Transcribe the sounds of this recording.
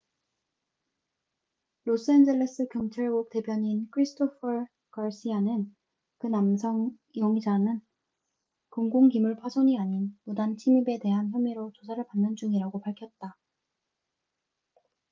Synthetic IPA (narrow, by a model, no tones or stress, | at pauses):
los͈ɯend͡ʑeɭːes͈ɯkjʌŋt͡ɕʰaɭɡok̚t͈e̞pjʌɲinkʰɯɾisʰtʰopʰʌɾ | kaɭs͈ianɯn | kɯnamsʰʌŋ | joŋid͡ʑanɯn | koŋɡoŋkimuɭpʰwasʰoɲiaɲinmudant͡ɕʰimibe̞te̞ɦançjʌmiɾot͡ɕosʰaɾɯɭpanːɯnd͡ʑuŋiɾaɡopaɭkʰjʌt̚t͈a